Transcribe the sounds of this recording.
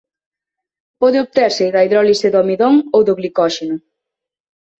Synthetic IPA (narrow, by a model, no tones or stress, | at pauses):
pɔðɪoβ̚t̪eɾsɪðajðɾɔliseðomiðoŋowðʊɣlikɔʃenʊ